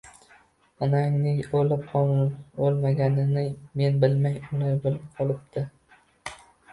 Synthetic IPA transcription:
ɒnaŋnɪŋolɪpqʰɒolˠmaɡʲanɪnɪme̞nbɪlmajʊlajbɪlpqʰɒlˠɪp̚d̪̥ɪ

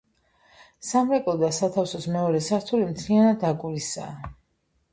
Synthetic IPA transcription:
samɾɛkʼɔld̪asat̪ʰafsɔsmɛɔɾɛsaɾt̪ʰulimt̪ʰlianad̪aɡʼuɾisa̰ː

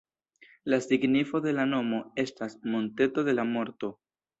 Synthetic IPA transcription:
lasiɡnifo̞d̪e̞lano̞mo̞e̞stasmo̞nte̞to̞de̞lamo̞ɾto̞

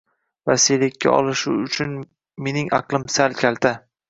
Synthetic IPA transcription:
vaselɪkʲʰːa̰ɒ̰lˠɪʃʊʊt͡ʃʰʊn | me̞nɪŋɑ̰qlˠɪmsalkʲʰalt̪ʰa

